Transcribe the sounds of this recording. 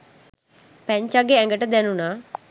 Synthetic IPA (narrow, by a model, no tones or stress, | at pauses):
pɛ̃ɲt͡ʃaɡeɛ̃ŋɡəʈd̪ɛːnũːna